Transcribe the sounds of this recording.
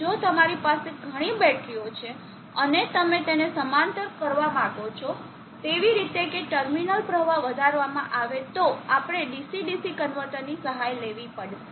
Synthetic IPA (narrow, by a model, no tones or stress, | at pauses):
d͡ʒot̪əmaɾipaseɡʱəɽ̃ibɛʈʰɾiot͡ʃʰe | ənet̪əmet̪enesəmant̪əɾkəɾʋamãɡot͡ʃʰɔ | t̪eʋiɾit̪ekeʈəɾminəlpɾəʋaʋəd̪ʱaɾʋamã̰ʔaʋet̪oapɽ̃eɖisiɖisikənʋəʈ̪ənːisəɦajleʋipəɽʃe